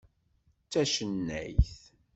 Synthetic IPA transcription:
t͡sːæʃənːæjθ

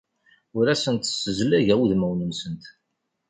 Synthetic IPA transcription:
ʊɾæsənt̪əsːəzlæʝæwðmæwnəmsənt̪

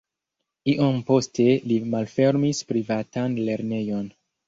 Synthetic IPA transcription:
iʔompo̞stʰe̞limalfe̞ɾmispɾivatanle̞ɾne̞jo̞n

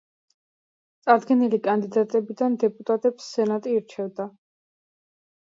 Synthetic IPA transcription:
t̪sʼaɾd̪ɡɛnilikʼand̪id̪at̪ʼɛbid̪and̪ɛpʼut̪ʼat̪ʼɛpsːɛnat̪ʼiːɾt͡ʃʰɛvd̪a

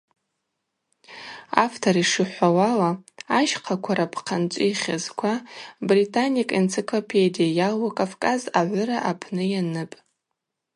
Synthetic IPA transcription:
a̰ftʰoɾiʂɨħʷawalaːʃqʰakʷʰaɾapʰqʰant͡ʃʷʼiχʲazkʷʰabritʰʼanikʼent͡sʰikʰlopʰedijajalakʼafkʼazaʕʷʊɾaʔapʰnɨjanɨpʼ

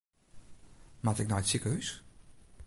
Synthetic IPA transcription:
matɪk̚nɔjtsikəhys

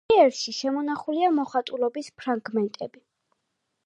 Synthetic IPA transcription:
ɛɾʃiʃɛmɔnaχuliamɔχat̪ʼulɔbispʰɾaŋɡmɛnt̪ʼɛbi

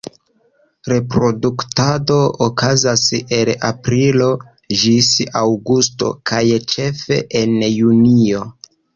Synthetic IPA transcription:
ɾe̞pɾo̞duktado̞okazase̞la̰pɾilo̞ | d͡ʒisawɡusto̞̰kʰajt͡ʃe̞fe̞̰ʔenjunio̞

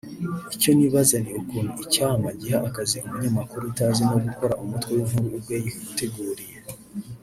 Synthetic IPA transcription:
ico̞niβazaniukuːnuicaːmaɟiɦaʔːkaziomuɲamakuɾutaːzeno̞ɡuko̞ɾaʔomutwewumɦuɾuːbwejikute̞ɡuːɾije

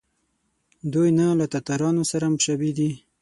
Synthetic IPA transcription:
d̪ujnalat̪at̪aɾɑnosaɾamʃabid̪i

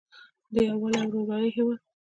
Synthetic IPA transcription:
d̪əjawalawɾubɑjiɦɪwɑd̪̚

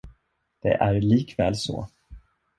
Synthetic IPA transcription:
d̪̥ɛʔæɾɭiːkvɛːlsɔ̰

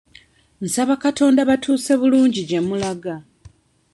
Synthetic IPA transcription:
n̩saβakato̞ːndaβatʰuːse̞βuluːɲɟiɟe̞mːulaɡa

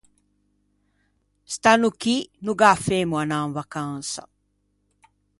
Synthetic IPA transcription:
st̪anukinuɡaːfeːmuanaːnvakansa̰

